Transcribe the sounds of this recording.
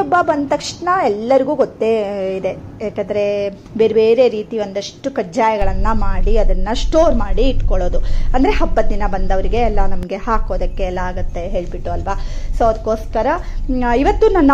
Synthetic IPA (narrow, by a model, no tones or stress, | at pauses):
ɔbːɐbɐnd̪t̪ɐkʂʈnɐɛlːɐɾiɡuːɡot̪ːe̞id̪e̞jaːkɐnd̪ɐɾe̞ | be̞ːɾbe̞ːɾe̞ɾiːt̪iʋo̞nd̪ɐʂʈukɐd͡ʒaːjɐɡɐɭɐnːɐmaːɽiɐd̪ɐnːɐsʈoːɾmaːɽiːʈkɔɭoːd̪uɐnd̪ɐɾe̞ɦɐbːɐd̪inɐbɐnd̪ɐʋɐɾiɡe̞ːlːɐnɐmɐɡe̞haːkoːd̪ɐkːe̞ɛlːaaːɡut̪ːe̞ɦe̞ːɭbiʈːuɐlʋasoːɐd̪ɐkːo̞ːskɐɾɐiʋɐt̪ːunɐnː